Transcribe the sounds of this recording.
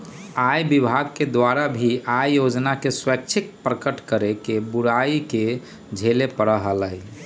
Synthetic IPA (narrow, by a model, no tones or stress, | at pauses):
ajbibʱaɡ̚ked̪waɾabʱiajjod͡ʒnakeswək̚t͡ʃʰik̚pɾəkəʈkəɾekebuɽaike | d͡ʒʱelepəɽəɦələj